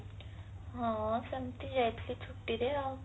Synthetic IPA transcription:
ɦãsəmt̪id͡ʑajt̪lit͡ɕʰuʈːid̪ea

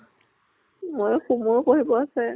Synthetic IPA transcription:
mojxumuɹkoɦibɔasɛ

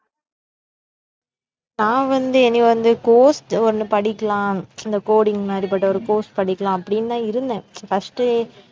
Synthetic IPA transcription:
nãːʋɐnd̪ɯɛnːɪ̃ʋɐnd̪ɯkoːsʈɔɾɯnɯpɐɽɪkːɐlãːɪnd̪ɐkoːɽɪŋɡmaːd̪ɾipɐʈːɐɔɾɯkoːsʈpɐɽɪkːɐlãːɐpːɐɽɪnːaːɪɾɯnd̪ẽːfɐsʈɯ

